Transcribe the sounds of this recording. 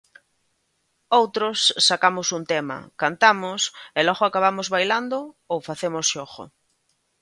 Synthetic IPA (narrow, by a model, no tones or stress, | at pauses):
owt̪ɾosːakamʊsunt̪emɐ̰kant̪amʊselɔɣoakaβ̞amozβajland̪ʊ | owfaθemʊsʃoɣʊ̰